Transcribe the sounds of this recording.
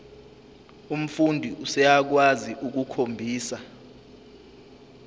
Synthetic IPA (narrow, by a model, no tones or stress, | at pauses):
um̩fundʱiʔusɛjak̬waziʔuk̬ukʰombʱiːsa